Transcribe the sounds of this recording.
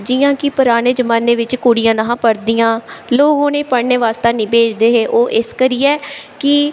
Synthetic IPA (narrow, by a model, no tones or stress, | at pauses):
d͡ʒɪːãːkɪpʊɾaːneːd͡ʒəmaːneːʋɪt͡ʃkuːɽijãːnəɦãːpəɽd̪ijãːloːɡõːneːpəɽneːʋaːst̪ãːnibeːt͡ʃd̪eːɦeːʔoːʔɪskəɾiːɛːkɪ